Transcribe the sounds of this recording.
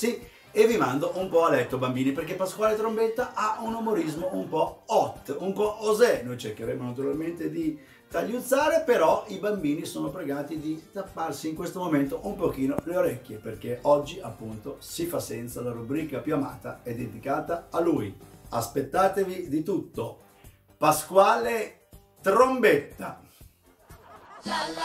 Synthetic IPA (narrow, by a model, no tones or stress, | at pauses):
si | evːimand̪oʔumpɔalɛt̪ːobambiːniperkepːaskwaːlet̪ɾombet̪ːaʔaunumoɾizmoumpɔɔt̪ːumpɔʔozɛnojt͡ʃerkeɾemonat̪̬uɾalment̪ed̪i | t̪aʎːud̪zːaːɾepeɾɔibambiːnisoːnopɾeɡaːt̪id̪it̪apːarsiːŋkwest̪omoment̪oʔumpok̟iːnoleoɾɛk̟ːjeperk̟eʔɔd͡ʒːiapːunt̪osifasːɛnt̪salaɾubɾiːkapjuama̰ːt̪aɛd̪ed̪ikaːt̪aːluːjaspet̪ːaːt̪evid̪it̪ut̪ːo | paskwaːle | t̪ɾombet̪ːa